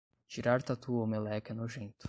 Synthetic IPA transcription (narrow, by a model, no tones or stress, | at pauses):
t͡ʃiɾaɾt̪at̪uomelɛkɐnoʒẽnt̪ʊ̥